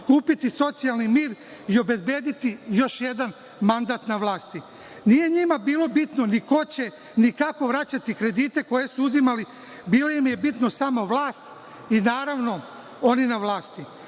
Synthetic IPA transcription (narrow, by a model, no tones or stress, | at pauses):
kuːpit̪iso̞t̪sijalˠnimiːɾ | io̞be̞zbe̞ːd̪it̪ijo̞ʃje̞d̪an | mand̪aːt̪naʋlaːst̪i | nije̞ɲimabiːlo̞bit̪noniko̞t͡ɕe̞ | nikako̞ʋɾat͡ɕat̪ikɾe̞d̪iːt̪e̞ko̞je̞suuzimali | biːlojimje̞bit̪nosaːmo̞ʋlaːst̪ | inaːɾaʋno̞ | o̞ninaʋlˠaːst̪i